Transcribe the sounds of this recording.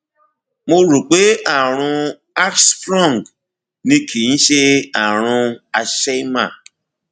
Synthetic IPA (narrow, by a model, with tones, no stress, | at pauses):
mo˧ɾu˨k͡pe˦a˨ɾ̃ũ˧ | a˦ksfɾɔ̃˦˨ŋ˨ɡ | nĩ˧kʰi˨ñ̩˦ʃe˦a˨ɾ̃ũ˧a˧ʃe˦ma˦˨